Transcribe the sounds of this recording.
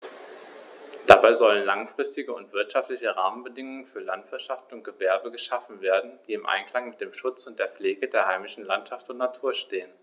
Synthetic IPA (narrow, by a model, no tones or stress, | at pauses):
d̥abaɪzɔlənlaŋfʁ̥ɪstɪɡəʊntv̥ɪɐtʃaftlɪçəʁaːmənbədɪŋʊŋənfyːɐlantv̥ɪɐtʃaftʊnt̚ɡ̥əvɛɐbəɡəʃafn̩veːɐdn̩d̥iːɪmʔa̰ɪnkʰl̥aŋmɪt̚d̥eːmʃʊt͡sʊnt̚d̥eːɐfleːɡədeːɐhaɪmɪʃn̩lantʃaftʊntnatʰuːɐʃteːən